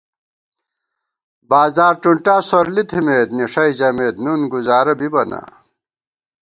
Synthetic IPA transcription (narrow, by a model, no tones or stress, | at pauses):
baːzaːɾʈuɳʈaːsoɾlit̪ʰimeːt̪niʂɐjd͡ʑɐmeːt̪nunɡuzaːɾɐbibɐna̰